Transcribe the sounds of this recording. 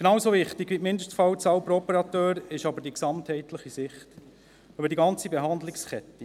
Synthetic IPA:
ɡ̥nɑːwsovɪχt̪ɪɡʋimɪndəstfɑwt͡sɑwpɾoɔpəɾɑt̪øːɾɪʃɑbəɾdiksɑmthɛɪt̪ləχisɪχt | øbədiɡɑnt͡sibɛɦɑnd̪lɪkskɛt̪ːi

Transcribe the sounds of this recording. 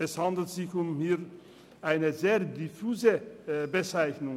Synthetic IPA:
ɛshandl̩tz̥ɪçʊmhiːɐ | ʔaɪnəzeːɐdifuːzəbət͡saɪçnʊŋ

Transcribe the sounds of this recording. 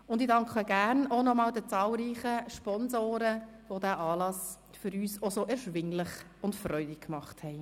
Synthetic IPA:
ʊndidɑŋkχəɡæːɾnonɔmɑːld̥ət͡sɑːlɾiːχəʃpɔnzoːɾə | vodæːʔɑːlɑs | fʏɾyːsosoʔɛɾʃʋɪŋlɪχ | ʊntfrœʏdɪkkmɑχthɛɪ

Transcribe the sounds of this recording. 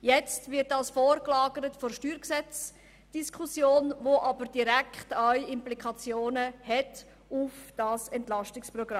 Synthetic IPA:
jɛt͡stvɪɾt̚dɑsfoːrklɑːɡəɾətfɔrʃtyːɾksɛt͡s | d̥iskʰusjoːnvoʔɑbəɾd̥iɾɛkχtaʏɪmplikɑt͡sjoːnəhɛt | ufd̥ɑsɛntlɑʃtɪksprɔɡra

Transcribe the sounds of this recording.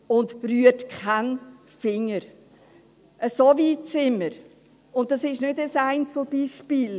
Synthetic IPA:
ʊndɾyətkʰan | fɪŋːəɾ | ʔəsovit͡sɪmːəɾ | ʊnt̚dɑsɪʃnødəsaɪnt͡slb̥iʃpiːl

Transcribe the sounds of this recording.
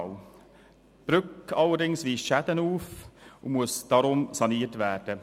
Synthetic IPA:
ʊ | b̥ɾʏkɑlːədɪŋsviːʃɛdənuːfʊmuəsd̥ɑːɾʊmsɑniːtvæːɾd̥ə

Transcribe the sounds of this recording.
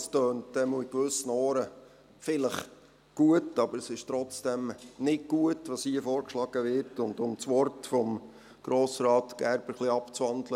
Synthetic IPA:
støːntd̥ɛmuɪkʋʏsənɔːɾə | fɪləχ | ɡ̥uətɑbəɾəsɪʃtɾɔt͡sd̥ɛmnɪk̚ɡ̥uətʋɑshiəfɔːɾkʃlɑɡ̥əʋɪɾtʊndʊmt͡sʋɔrtfɔm | ɡ̥ɾoːsɾɑːtɡ̥æɾb̥əɾχliɑpt͡svɑndlə

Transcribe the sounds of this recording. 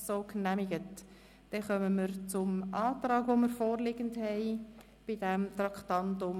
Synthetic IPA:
soːknæmɪɡət | d̥ɛχœməməɾt͡sʊmʔɑːtɾɑːɡʋoməɾfoːɾlɪɡəndhɛɪ | b̥idɛmt̪rɑktɑntʊm

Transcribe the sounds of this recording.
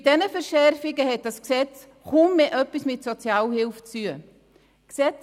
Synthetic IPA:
d̥ɛnəfəɾʃɛɾfɪɡəhɛt̚d̥asksɛt͡s | χumːeːʔœpːismɪtsɔt͡sjaːlhɪlft͡syə | ksɛt͡s

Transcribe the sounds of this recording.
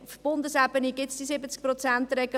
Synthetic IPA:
fb̥ʊnd̪əsæbəniɡɪtsd̥isɪbət͡sk̚prɔt͡sæntrɛɡə

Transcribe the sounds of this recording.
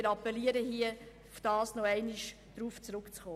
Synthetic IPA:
ɾɑpːɛliəɾəɦiə | fd̥ɑːsnoɛɪniʃ | d̥ɾuːft͡sɾʉkt͡sχoː

